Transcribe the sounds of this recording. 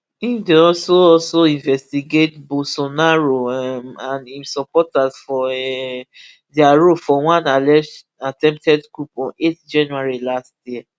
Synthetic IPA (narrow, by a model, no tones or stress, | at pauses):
ĩmdeɔsoɔlsoĩnvɛstiɡetbosonaɹomãnĩmsɔpɔtasfɔɛ | diaɹofɔwãnalɛʃ | atɛ̃mptʰɛdɡɹupɔ̃netd͡ʒãnuaɹilastjiɛ